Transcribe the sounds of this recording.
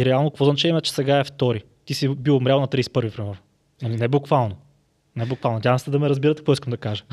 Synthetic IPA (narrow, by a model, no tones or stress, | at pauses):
iɾɛalˠnokvɔznat͡ʃɛimɛt͡ʃɛ̥sɛɡaɛft̪ɔɾi | t̪isibilˠmɾʲalˠonɐt̪ɾiːsɛ̥pɤɾvivɾɛmɛɾn | ɐlinɛbukvalˠno | nɛbʊkvalˠodʲavəmsɛd̪ɐmɛɾɐzbiɾət̪ɛ̥kvɔiskəmd̪ɐkaʒə̥